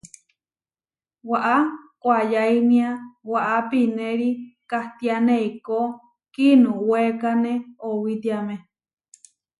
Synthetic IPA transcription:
waʔakʷajainĩawaʔapinẽɾikaht̪ianeiko | kinũwekanẽowit̪iamẽ

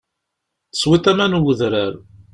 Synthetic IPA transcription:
θə̥swit̪æmænwəðɾæɾ

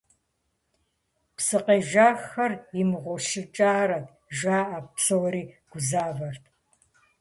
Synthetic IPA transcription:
psɨqeːʒaːxɐrjɪmɨʁʷɔʃɪt͡ʃʼaːɾɐtʰ | ʒaːʔapsɐwɐɾiːɡ̥ʷʊzaːvɐrtʰ

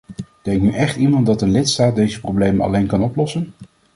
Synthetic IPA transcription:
d̥ɛŋk̚nyʔɛχtimɑnt̚dɑtənlɪtstaːt̚dejzəprowblejmənɑ̰lejnkɑnɔplɔsən

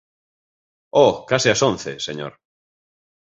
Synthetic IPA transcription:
okasiasõnθeseɲo̰ɾ

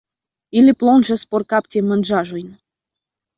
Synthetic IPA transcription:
ilʲiplˠonʒə̆sporkɑptʲemə̆nʒɑʒujn

